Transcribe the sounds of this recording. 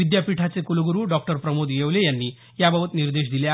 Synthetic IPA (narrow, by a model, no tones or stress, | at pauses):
id̪japiʈʰat͡sekuluɡuɾuɖɔk̚ʈəɾpɾəmud̪jewlejanːi | jabəbət̪niɾd̪eɕ̬d̪ilja